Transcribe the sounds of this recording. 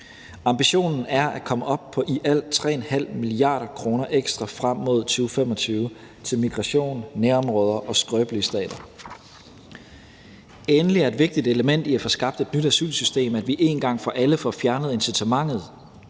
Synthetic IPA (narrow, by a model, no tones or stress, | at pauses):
ɑ̈mb̥iɕo̝̰ːnn̩æɐʔækʰɒ̽məʔɒ̽b̥̚pʰɒ̽ʔiʔæl̰t͡sʰʁɛ̰ːenhæl̰miliɑ̈ːɾ̥ɐkʰʁo̝ːnɐʔeɡ̥sd̥ʁɑ̈fʁam̰ːo̝ð̞ˠt͡sʰyːʊfem̰ɒ̽t͡sʰyːʊə | t͡sʰe̝lmiɡ̥ʁɑ̈ɕo̝̰ːnːeɐɒ̽mʁɔ̽ːð̞ˠɐʔɒ̽sɡ̥ʁœːb̥lisd̥ɛ̰ːd̥ɐ | enəliæɐe̝d̥ʋe̝ɡ̥̚d̥id̥eləmen̰d̥iæfɒ̽sɡ̥ɑ̈b̥d̥e̝d̥nyɾ̥æsy̰lsysd̥e̝̰ːmæd̥ʋiʔe̝nɡ̥ɑ̈ŋ̰fɒ̽ʔæləfɒfjæɐnəð̩ˠe̝nsit͡sʰemɑ̈ŋ̰ð̞̩ˠ